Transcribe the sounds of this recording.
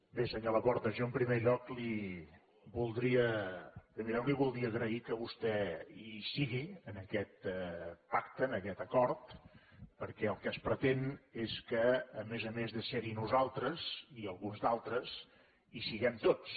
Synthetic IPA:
besəɲoləpɔɾt̪əʒoəmpɾimeʎɔkli | βulˠd̪ɾiəpɾimeʎɔkliβulˠd̪ɾiəːɣɾəikəβust̪ɛisiɣiənəkɛt̪pakt̪ənəkɛt̪əkɔɾt̪pəɾkɛəlˠkəspɾət̪eneskəːmezəmezðəseɾinuzalˠt̪ɾəziəlˠɣunzd̪alˠt̪ɾəz | isiɣɛmt̪ot͡s

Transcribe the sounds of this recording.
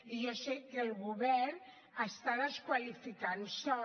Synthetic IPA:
ijɔsɛkːəlˠɣuβɛrn | əst̪aðəskwalifikansɔ

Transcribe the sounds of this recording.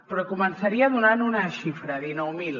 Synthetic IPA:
pɾɔkumənsaɾiaðunanunaʃifɾaðinɔwmil

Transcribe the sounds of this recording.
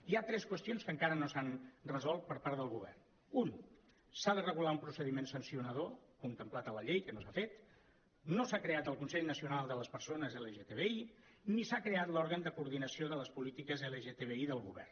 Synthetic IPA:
iat̪ɾɛskwəst̪ionskəŋkaɾənosanrəzɔlˠt̪̚pəɾpaɾðəlˠɣuβɛ̰rn | un | saðərəɣulaumpɾusəðimensənsiunəð̞okunt̪əmplat̪ələʎejkənosafet̪ | nosakɾeat̪əlˠkunsɛʎnəsiunalˠd̪ələspəɾsonəzeleʒet̪eβei | nisakɾeat̪lɔɾɣənd̪əkuɾðinəsioðələspulit̪ikəzeləʒet̪eβ̞eiðəlˠɣuβɛ̰r

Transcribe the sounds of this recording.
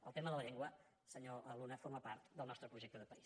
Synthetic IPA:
ə̰lˠt̪eməðələʎeŋɡwə | səɲoʔəlunəfoɾməpaɾt̪d̪əlˠnɔst̪ɾəpɾuʒekt̪əðəpəis

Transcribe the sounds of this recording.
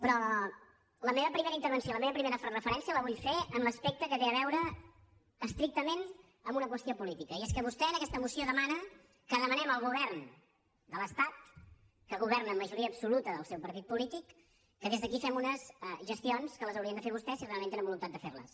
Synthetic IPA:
pɾɔ | ləmeβəpɾimeɾəint̪əɾβənsjoləmeβəpɾimeɾəfrəfəɾɛnsijələβuʎfeənləspek̚t̪əkət̪eəβɛwɾəː | st̪ɾik̚t̪əmen | əmunəkwəst̪iopulit̪ikəieskəβ̞ust̪ɛənəkɛst̪əmusioðəmanə | kəðəmənɛməlˠɣuβ̞ɛɾn | d̪ələst̪at̪̚ | kəɣuβ̞ɛrnəːmːəʒuɾiəːbsulut̪əðəlˠsɛwpəɾt̪it̪̚pulit̪ikː | əðezðəkifɛmunəzɛʒəst̪ionskələzəwɾiənd̪əfeɾβust̪ɛsirealˠẽnt̪enəmbulunt̪at̪d̪əferlə̰s

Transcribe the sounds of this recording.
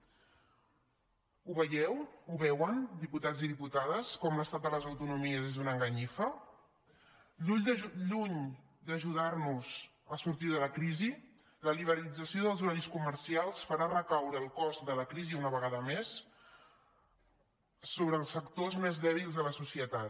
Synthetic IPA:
uβəjɛwuβɛwənd̪iput̪ad͡ziðiput̪aðəskɔmləst̪at̪̚d̪ələzəwt̪unumiəzezðunəŋɡəɲifə | ʎuʎd̪ʎuɲ | d̪əʒuðarnuz | əsuɾt̪iðələkɾizi | ləliβəɾlid͡zəsioðəlˠzuɾaʎskuməɾsialˠsfəɾarəkawɾəːlˠkɔzd̪ələkɾiziunəβəɣaðəmes | soβ̞ɾəːlˠsfəkt̪ozmezðɛβ̞ilˠzðələsusiət̪at̪

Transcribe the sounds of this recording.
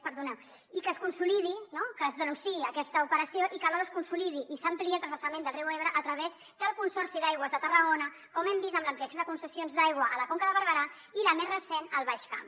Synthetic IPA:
pəɾðunɛ | ikəːskunsulið̞inokəːzðənunsiːəkɛst̪əupəɾəsjoʔikaləðəskunsuliðiʔisəmpliəlˠt̪ɾsəsəmend̪əlˠriweβ̞ɾəʔːt̪ɾəβez | d̪əlˠkunsɔɾsiðajɣ̞wəzðət̪ərəɣonə | kɔmɛmbizəmləmpliəsjoðəkunsəsijonzðajɣwəʔələkoŋkəðəβəɾβəɾa | iləmezrəsenəlˠβaʃka̰m

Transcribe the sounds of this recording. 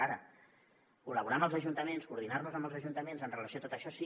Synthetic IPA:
aɾə̰ | kuləβuɾambəlˠzəʒunt̪əmenskuɾðinarnuzəmbəlzəʒunt̪əmenzənrələsioat̪ot̪əʃɔsi

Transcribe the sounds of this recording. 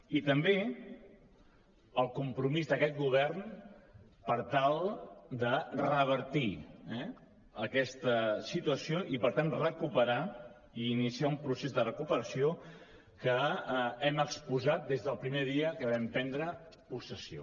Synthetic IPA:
it̪əmbe | əlˠkumpɾumizðəkɛt̪̚ɣuβ̞ɛrn | pəɾt̪alˠd̪ərəβ̞əɾt̪iɛ | əkɛst̪əsit̪uəsioʔipəɾt̪anrəkupəɾa | iːnisiaumpɾusezðərəkupəɾəsio | kəɛməkspuzat̪̚d̪ezðəlˠpɾimeðiəkəβɛmpɛnd̪ɾə | pusəsio̰

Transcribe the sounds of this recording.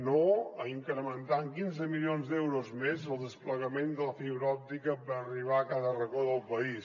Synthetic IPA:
noəiŋkɾəmənt̪aŋkinzəmilionzd̪ɛwɾozmezəlˠd̪əspləɣəmend̪ələfiβɾəɔp̚t̪ikəpəɾəriβ̞aəkaðərəɣoðəlˠpəis

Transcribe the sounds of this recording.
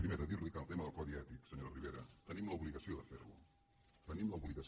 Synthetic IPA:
pɾimeɾəðiɾlikənəlˠt̪eməðəlˠkɔðiɛt̪iksəɲoɾəriβeɾət̪ənimləuβliɣəsioðəfḛɾlṵ | t̪ənimləuβliɣəs

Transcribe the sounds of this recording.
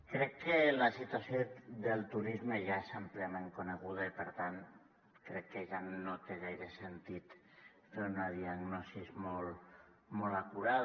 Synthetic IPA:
kɾɛkːelasit̪uasjoðelˠt̪uɾizmeʒaesamplemeŋkuneɣ̞uð̞aipəɾt̪an | kɾɛkːeʒanot̪eɣajɾesent̪it̪ | feunaðiaɣnɔsizmɔlˠ | mɔlakuɾað

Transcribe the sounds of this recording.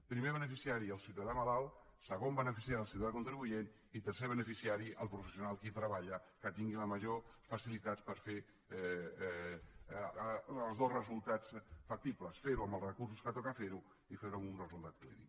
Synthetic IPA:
pɾimeβ̞ənəfisiaɾiəlˠsjuwt̪aðamalalˠsəɣombənəfisiaɾiəlˠs̬iuwt̪aðakunt̪ɾiβujen | it̪əɾseβ̞ənəfisiaɾiʔəlˠpɾufəsiunalˠkit̪ɾəβaʎəkət̪iŋɡiləməʒofəsilit̪at͡spəɾfe | lˠzðozrəzulˠt̪at͡sfak̚t̪ipləsfeɾuəməlˠrəkus̬uskət̪ɔkafeɾu | ifeɾuaunrəzulˠt̪at̪̚klḭðḭ

